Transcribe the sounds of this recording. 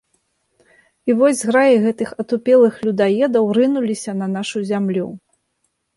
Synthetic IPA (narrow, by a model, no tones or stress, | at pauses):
ivɔzʲɣɾajiɣɛt̪ɨxɐt̪upʲɛlˠɨxlʲud̪ajɛd̪ɐwɾɨnulʲisʲɐn̪ɐn̪aʂuzʲamlʲṵ